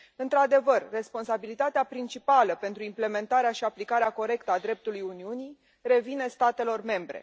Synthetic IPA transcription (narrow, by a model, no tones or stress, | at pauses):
ɨnt̪ɾad̪e̞vərːespo̞nsabilit̪at̪eapɾint͡ʃipaləpe̞nt̪ɾuimple̞me̞nt̪aɾeaʃiaplikaɾeako̞ɾe̞kt̪əad̪ɾe̞p̚t̪ulujuniuni | re̞vine̞st̪at̪e̞lo̞rme̞mbɾe̞̰